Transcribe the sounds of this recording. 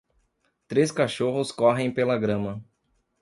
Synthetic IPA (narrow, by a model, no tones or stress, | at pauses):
t̪ɾeskaʃoɦʊskɔɦẽj̃pelɐɡɾɐ̃mɐ